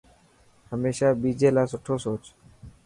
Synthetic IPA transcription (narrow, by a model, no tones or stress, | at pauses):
həmeːʃaːbiːd͡ʒeːlaːsoʈʰoːsoːt͡ʃ